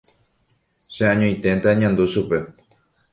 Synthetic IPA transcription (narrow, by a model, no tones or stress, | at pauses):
ʃẽãɲõĩt̪ẽnt̪aɲãnd̪uʃupe